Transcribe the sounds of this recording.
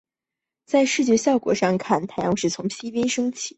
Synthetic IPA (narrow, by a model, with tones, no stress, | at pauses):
t͡sa˥˧ɪʂɻ̩˥˧t͡ɕjɛ˥˧ɕjɑ˥˩ʊkwɔ̰˨˩ʂɑ˥˧ŋkʰa˥˩nt̪ʰa˥˩ɪjɑ˧˥˧ŋʂɻ̩˥˩t͡sʰʊ˧˥ŋɕi˥pjɛ˥nʂɤ˥ŋt͡ɕʰi˨˩˦